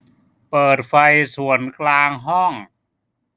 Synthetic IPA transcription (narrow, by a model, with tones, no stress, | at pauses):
pɤː˨˩t̪̚fa˧jsu˨˩˦ənklaː˧ŋɦɔ˥˩ŋ